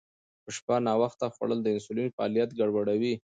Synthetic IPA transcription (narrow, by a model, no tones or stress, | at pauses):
pəʃpanɑwaxt̪axwa̰ɽəld̪əɪnsulinfaɑ̰lijat̪ɡaɽwaɽawi